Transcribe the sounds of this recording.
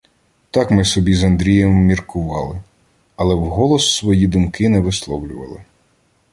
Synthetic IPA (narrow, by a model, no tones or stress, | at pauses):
t̪ɑkmɪsɔbʲizɐnd̪ɾʲijɛmːʲirkʰʊʋɑ̰lˠɪ | ɐlˠɛwɦɔlˠɔsːʋɔjid̪ʊmkɪnɛʋɪslˠɔwlʲʊʋɐ̰lˠɪ̰